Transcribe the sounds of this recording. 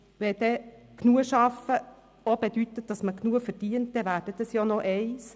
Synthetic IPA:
ʋɛd̥̪ɛknuəʃɑfə | ob̥ed̪yt̪ːət̚d̥ɑsməknuəfəɾd̥iːənt̚dɛvæːɾd̥ət̪əsjoːnɔʔɛɪs

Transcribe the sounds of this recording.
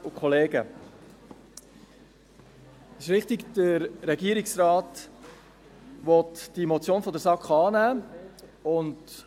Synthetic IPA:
ʊkʰχɔleːɡə | ɪʃʋɪχtɪɡd̥əɾːɛɡiːəɾɪksrɑːt | ʋɔtd̥imot͡sjoːnfɔdəɾsɑkχɑːnæː | ʊnd

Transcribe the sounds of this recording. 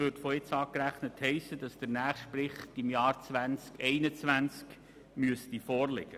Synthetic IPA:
øːɾtfɔɪt͡sɑːkɾæχnəthɛɪsəd̥ɑsd̥əɾnæːχsʃtpɾɪχtɪmjɑːɾt͡svʋænt͡skɛɪnət͡sʋænt͡sk | myəstifɔːɾlɛ̰ɡ̥ə

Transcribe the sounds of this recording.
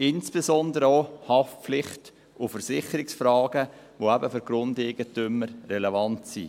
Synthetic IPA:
ɪnsb̥ezɔndəɾəohɑfp͡flɪχt | ʊfəɾsɪχəɾɪksfɾɑːɡ̥ə | ʋoæbəfyɾɡ̥ɾʊndɛɡ̥ətʏmːəɾrɛlevɑntsḭ

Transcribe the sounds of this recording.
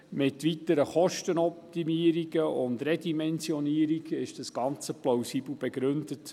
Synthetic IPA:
mɪtʋit̪əɾəχɔʃtənɔp̚timiəɾiɡəʊndɾɛdimɛnsjɔniːəɾiɡɪʃd̥ɑsɡ̥ɑnt͡səplowsiːbl̩b̥ɛɡɾʏndət

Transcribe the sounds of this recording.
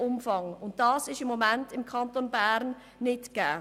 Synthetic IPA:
ʊmfɑŋʊnt̚d̥ɑːsɪʃɪmːomæntɪmkʰɑntonbæɾnː | ɪtɡ̥ɛː

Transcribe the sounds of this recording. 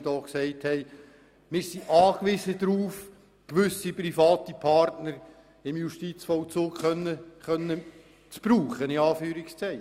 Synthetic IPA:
dɔːksɛɪthɛɪ | mɪːsiʔɑːkʋɪzəd̪ɾuːf | kʋʏsiprifɑːtipʰɑɾtnəɾ | ɪmjuʃtit͡sfɔʊt͡suːkχœnːəχœnːə | t͡sb̥ɾuːχəniɑːfyːɾɪkst͡sɛɪ

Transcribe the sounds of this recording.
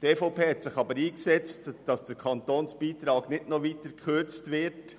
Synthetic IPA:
teːfɔʊpʰeːhɛtsɪχɑbəɾiːksɛt͡std̥ɑsd̥əɾkʰɑntoːnsb̥iːt̪ɾɑːɡnɪtnoʋiːtəɾkʰχʏɾt͡stʋɪɾt

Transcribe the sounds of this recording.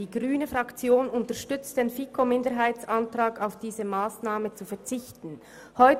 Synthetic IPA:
iːɡʁyːnəfʁɑkt͡sjoːnʊntəʃtʏt͡std̥eːnfikʰomɪndəɦaɪt͡santʁ̥aːkaʊfd̥iːzəmaːsnaːmət͡sufɛɐt͡sɪçtn̩ | hɔʏ

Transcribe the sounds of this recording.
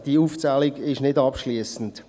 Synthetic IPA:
d̥iuːft͡saːlɪɡɪʃnɪdɑpʃliəsn̩t

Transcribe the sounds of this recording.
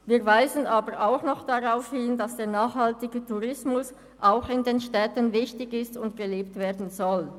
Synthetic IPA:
viːɐvaɪzənʔaːbəʁʔaʊxnɔχd̥aʁaʊfhɪndasd̥eːɐnaːχhaltɪɡətʰuʁɪsmʊs | ʔaʊxɪndeːnʃtɛːtənvɪçtɪçɪstʊntɡ̥əleːptv̥eːɐdn̩zɔl

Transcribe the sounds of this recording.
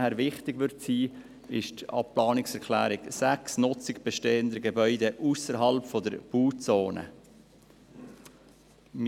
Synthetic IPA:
hæːɾʋɪχtɪɡ̥vʋʏɾtsiː | ɪʃtɑ̰pplɑːnɪksɛɾkʰlæ̰ːɾɪɡsæksnʊt͡sɪkb̥ɛʃteːənd̪əɡɛbœʏdɛʔusəɾɦɑlpfɔdəɾb̥uːt͡soːnə̰ | m

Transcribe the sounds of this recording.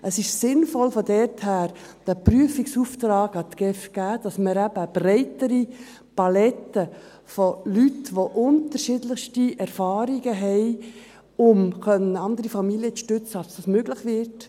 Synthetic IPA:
ʔəsɪʃsɪnfɔlfɔdɛɾthæːɾd̥æpryəfiksuːft̪ɾɑːɡɑt̪ɡ̥ɛfɡ̥æːd̥ɑsməɾæb̥əb̥ɾɛɪtəɾi | pɑlɛtə | folytʋoʔʊnt̪əɾʃɪdləχʃtiɛɾfɑːɾiɡəɦɛɪ | ʊmkœnəɑnd̪əɾifɑmiliət͡sʃtʏt͡səɑlsd̥ɑsmøɡlɪχʋɪrt

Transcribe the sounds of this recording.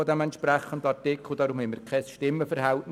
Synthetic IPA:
ɔdɛmɛntʃpɾæχəndɑtɪkχl̩d̥̪ɑːɾumhɛməɾkʰɛsʃtɪmːəfəɾhæltn

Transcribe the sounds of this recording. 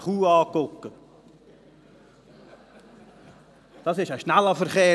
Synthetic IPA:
χuːɑːkʊkːə | d̥ɑsɪʃəʃnælɑfəɾχeː

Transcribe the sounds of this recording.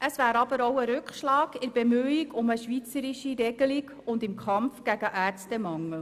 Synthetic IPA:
ʔəsvæːɾɑb̥əɾoʊəɾʉkχʃlɑːɡ̥ɪɾb̥emyːiɡʊməʃʋit͡səɾɪʃiɾɛɡ̥əliɡ | ʊndɪmkʰχɑmfɡ̥æɡəʔæːɾt͡stəmɑŋːəl̩

